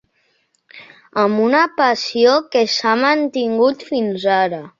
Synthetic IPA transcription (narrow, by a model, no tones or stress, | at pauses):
əmunəpəsiokesamənt̪iŋɡut̪finzaɾə